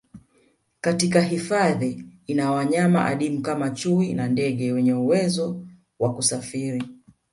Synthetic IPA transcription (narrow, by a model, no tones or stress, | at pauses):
katik̬aɦifaðiːnawaɲama̰ʔa̰ɗimukamat͡ʃuwinandɛɠɛwɛɲɛuwɛzɔ | wakusafiɾi